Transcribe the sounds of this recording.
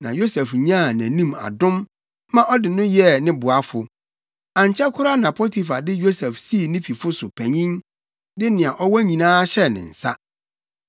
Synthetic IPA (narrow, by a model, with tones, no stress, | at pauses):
nã˨jo˦sɛ˨fɲã˦˨næ̃˨nũ˦ma̰˨dʊ̃˦m | mã˦ʔɔ˦dɪ˨nʊ̃˦jɛ˦˨nɪ̃˦bʊ˨a˦fʊ˨ | ã˨ɲ˨t͡ɕʰɛ˦kʰʊ˦ɾa˦nã˨pʰo˦tʰi˨fa˨dɪ˦jo˦sɛ˨fsi˦˨nĩ˦fi˨fʊ˦sʊ˨pʰæ̃˨ɲĩ˦n | dɪ˦nɪ̃˨a˨ʔɔ˦wɔ˦ɲĩ˨nãː˦ɕɛ˦˨nɪ̰̃˨n̩˨sa̰˦